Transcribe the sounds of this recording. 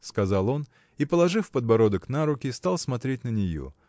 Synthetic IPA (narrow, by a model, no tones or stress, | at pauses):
skɐzalˠo̞n | ipəlˠɐʐɨfpəd̪̚bɐɾo̞d̪əknaɾʊkʲɪst̪alˠsmɐt̪ɾʲet̚ʲnənʲɪjo̰